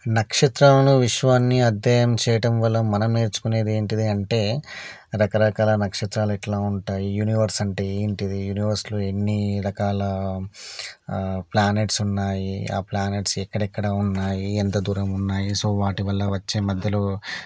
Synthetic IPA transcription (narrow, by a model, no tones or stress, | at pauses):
nɐkʂɐt̪ɾaːlɐnuʋiʂʋaːnːiɐd̪jɛːjɐmt͡ʃɛːjɐʈɐmʋɐlːɐmɐnɐme̞ːɾt͡ʃu̥kune̞ːd̪ieːɳʈid̪iɐɳʈe̞ː | ɾɐkɐɾɐkaːlɐnɐkʂɐt̪ɾaːluɛʈlaːuɳʈaːjijuːniʋɐɾsɐɳʈeeːɳʈid̪ijuːniʋɐɾsloːenːiɾɐkaːlɐ | plaːne̞ːʈsunːaːjia̰ːplaːne̞ːʈsɛkːɐɽɐɛkːɐɽɐunːaːjient̪ɐd̪uːɾɐmunːaːjisoːʋaːʈiʋɐlːɐʋɐt͡ʃːeːmɐd̪ʱjɐlo̞ː